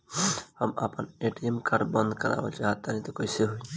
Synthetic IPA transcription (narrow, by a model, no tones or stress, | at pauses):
həma̰pəneʈiemkaɖbə̃nd̪ʱkəɾa̰bə̰t͡ʃʰeɦat̪ːanit̪ɔkoɪseɦui